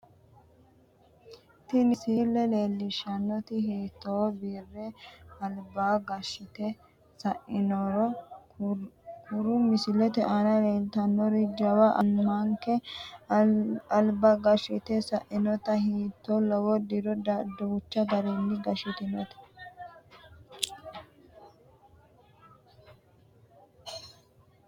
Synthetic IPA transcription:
t̪ɪnɪsiːlːɛleːlːɪʃɐnːɔt̪ɪɦiːt̪ːoːbiːrːɛɐlbaːɡɐʃɪt̪ɛ | sɐʔɪnɔɾɔ | kʰʊɾʊmɪsɪlɛt̪ɛʔɐnɐleːlt̪ɐnːɔɾɪd͡ʒɐwɐʔɐmɐŋkɛ | ɐlbɐɡɐʃɪt̪ɛsɐʔɪnɔt̪ɐhiːt̪ːɔlɔwɔd̪iɾɔdɐd̪ɔwʊt͡ʃːɐd̪ɐɾɛnːɪɡɐʃɪt̪ɪnɔt̪ɛ̥

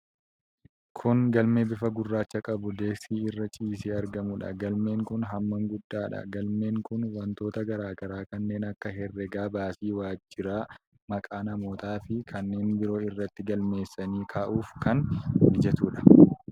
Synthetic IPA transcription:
kʰʊŋɡɐlmeːbɪfɐɡʊrːaːt͡ʃːɐkʼɐbʊd̪e̞ːksiːɪrːɐt͡ʃʼiːsiːɐɾɡɐmʊᶑɐ̰ɡɐlme̞ːŋkʊnɦɐmːɐŋɡʊd̪ːaːᶑɐ̰ɡɐlme̞ːŋkʊnwɐnt̪o̞ːt̪ɐɡɐɾaːɡɐɾaːkɐnːe̞ːnɐkːɐɦɛrːɛɡaːbaːsiːwaːd͡ʒːɪɾaː | mɐkʼaːnɐmo̞ːt̪aːfɪkʰɐnːe̞ːnbɪɾo̞ːɪrːɐt̪ːɪɡɐlme̞ːsːɐniːkʰaːʔuːfkɐnɪd͡ʒɛt̪uːᶑɐ̥

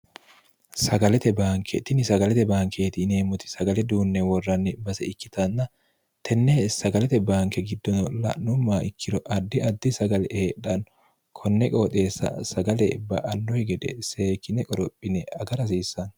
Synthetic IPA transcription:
sɐɡɐlɛt̪ɛbaːŋkʰɛ̰t̪ɪnɪsɐɡɐlɛt̪ɛbaːŋkʰeːt̪ɪne̞ːmʊt̪ɪ̥sɐɡɐlɛd̪uːnːɛwɔrːɐnːɪbɐsɛɪkːɪt̪ɐnːɐ | t̪ʰɛnːeːsɐɡɐlɛt̪ɛbaːŋkɛɡɪd̪ːɔnɔlɐ̰nːʊmːaːʔɪkʰːɪɾɔʔɐd̪ːɪɐd̪ːɪsɐɡɐlɛʔeːᶑɐn | kʰɔnːɛkʼɔt̪ʼe̞ːsːɐ̰sɐɡɐlɛbɐʔɐnːɔhɛɡɛᶑ̪ɛse̞ːkːɪnɛkʼɔɾɔpʼːɪnɛɐɡɐɾɐsiːsːɐn

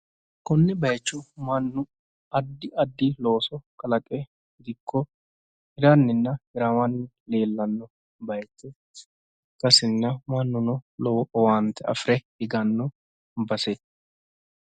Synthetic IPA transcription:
kɔnːɛbɐjt͡ʃːɔmɐnːʊ | ɐd̪ːɪɐd̪ːɪlo̞ːsɔkɐlɐkʼɛ | ɡɪd̪ɪkʰːɔ | hɪɾɐnːɪnːɐhɪɾɐwɐnːɪ | le̞ːlːɐnːɔ | bɐjt͡ʃːɛ | kɐsɪnːɐmɐnːʊnɔlɔʔɔwant̪ːɛɐ̰fɾɛhɪɡɐnːɔ | bɐsɛ

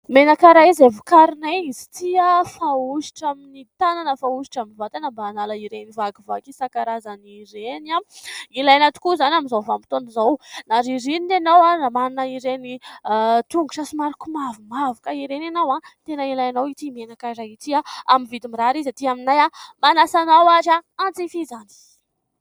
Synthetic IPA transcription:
menakaɾaizevukaɾinaizi̥t̪iafauʃi̥ʈ͡ʂaminit̪ananəfauʃi̥ʈ͡ʂaminvat̪anəmbaːnalaiɾenivakivakisakaɾazaniɾenailajanat̪i̥kuzanaminzawvampit̪onizawnaɾiɾinit̪enawanamannəiɾeni | t̪uŋɡu̥sasimaɾukumavumavukaiɾenanawat̪enəilajanawit̪imenakaɾait̪iaamivid̪imiɾaɾizat̪iaminajamanasanawaʈ͡ʂaant͡sifizani̥

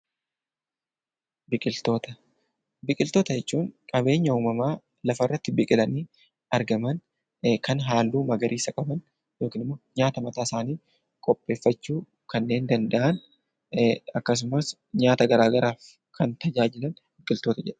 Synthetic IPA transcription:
bɪkʼɪlt̪o̞ːt̪ɐ | bɪkʼɪlt̪oːt̪ɐd͡ʒɛt͡ʃːuːŋkʼɐbe̞ːɲːɐuːmɐmaː | lɐfɐɪrːɐt̪ːɪbɪkʼɪlɐniː | ɐɾɡɐmɐn | kɐnɦaːlːuːmɐɡɐɾʔiːsɐkʼɐbɐn | jo̞ːkiːnɪmːo̞ːɲaːt̪ɐmɐt̪aːɪsaːniː | kʼɔpʼːe̞ːfːɐt͡ʃːuː | kɐnːe̞ːnd̪ɐnd̪ɐʔɐn | ɐkːɐs̬ʊmɐs | ɲaːt̪ɐɡɐɾaːɡɐɾaːf | kʰɐnt̪ɐd͡ʒaːd͡ʒɪlɐn | bɪkʼɪlt̪oːt̪ɐd͡ʒɛᶑɐ̥

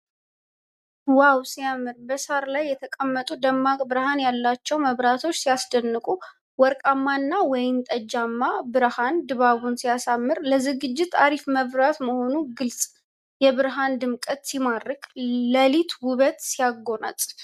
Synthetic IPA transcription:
wawsijamːɨɾbəsaɾlajːɛt̪ʰəkʼəmːət̪ʼud̪əmːakʼbɨɾhanjalːat͡ʃːɛwməβɾat̪ʰo̞t͡ʃːsijasd̪ənːɨkʼu | wɔɾkʼamːanːawɔjɪnt̪ʼəd͡ʒːamːabɨɾhand̪ɨβaβunsijasamːɨɾləzɨɡɨd͡ʒːɪt̪ːaɾifməβɾat̪məho̞nuɡɨlsʼ | jɛβɨɾɦand̪ɨmkʼət̪simaɾːɨkʼləlit̪ʰwʊβət̪sijaɡo̞na̰t̪ʼ

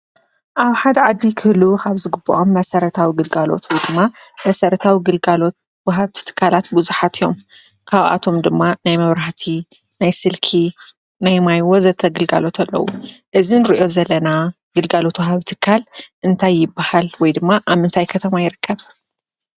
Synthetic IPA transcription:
ʔaβħad̪ɐʕad̪ːikʰɨhlukʰaβzɨɡɨbːɐ̰ʔomːɐsɐɾɐt̪ʰawiɡɨlɡalo̞̰t̪ʰwɔjd̪ɨmːamɐsɐɾɐt̪ʰawiɡɨlɡalo̞t̪̚ | wɐɦaβt̪ʰɨ̥t̪ʰɨ̥kʰːalat̪bɨzuħat̪ʰijo̞m | kʰaβʔa̰t̪ʰo̞md̪ɨmːanajmɐβɾaħt̪ʰi | najsɨlkʰi | najmajwozɐt̪ʰːɐɡɨlɡa̰lo̞t̪ʰɐlːɐ̰wuʔɨzinɨɾiʔo̞zɐlːɐna | ɡ̥ɨlɡalo̞t̪wɦaβt̪ʰɨ̥kʰːalʔɨnt̪ʰajːɪbːahalwɔjd̪ɨmːaʔaβmɨnt̪ʰajkʰɐt̪ʰɐmajɪɾɨkːɐβ

